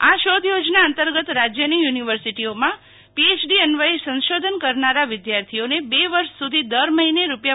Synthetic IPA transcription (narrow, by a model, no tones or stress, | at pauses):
aʃod̪ʱjod͡ʒnaənt̪əɾɡət̪ɾad͡ʒjənijuniʋəɾsiʈiomã | piet͡ʃɖiənʋaisə̃nʃod̪ʱənkəɾnaɾaʋɪd̪jaɾt̪ʰionebeʋəɾʃsud̪ʱid̪əɾməɦineɾupja